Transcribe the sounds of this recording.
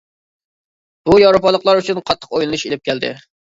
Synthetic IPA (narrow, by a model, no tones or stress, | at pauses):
b̥ujɑɾopɑlˠəqlˠɑɾyt͡ʃʰynqʰɑt̪ʰːə̥qojlˠɨnuʃelɪp̚kʲʰæld̪ɪ̰